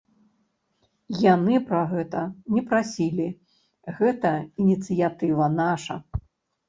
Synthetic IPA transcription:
janɨpɾɐɣɛt̪ɐnʲɛpɾasʲilʲi | ɣɛt̪ɐinʲit̪sɨjat̪ɨvɐnaʂɐ

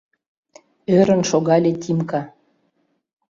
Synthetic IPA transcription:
øɾə̆nʃoɣɑlʲet̪ʲimkɑ

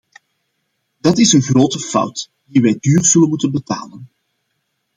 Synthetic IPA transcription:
dɑtɪsənɣroːtəfʌ̰wt | diʋɛjdyːrz̥ɵlənmutənbəta̰ːlən

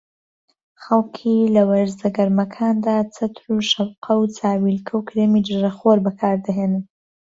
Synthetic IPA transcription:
χɐlˠkʰilɐwɐɾzɐɡɐɾmɐkʰaːnd̪aːt͡sʰɐt̪ʰɾuːʃɐbqʰɐwt͡sʰaːwilkʰɐwkʰɾemid͡ʒɨɾɐχoːɾbɐkʰaːɾd̪ɐɦeːnɨn

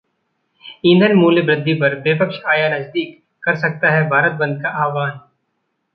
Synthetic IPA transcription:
ĩːnd̪ʱənmuːljebɾɪd̪ʱːipɐɾbepəkʃaːjanɐsd̪iːkː | ɐɾsɐk̚t̪aɦɛbʱaːɾət̪̚bɐ̃nd̪̚kaʔaːʋaːn

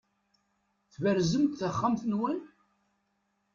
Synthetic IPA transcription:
θvəɾzəmt̪θəχːamθənwæn

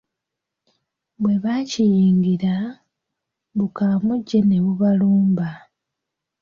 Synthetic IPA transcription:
βwe̞βacijiːŋɡiɾa | βukaːmoɟːe̞neβuβaluːmba

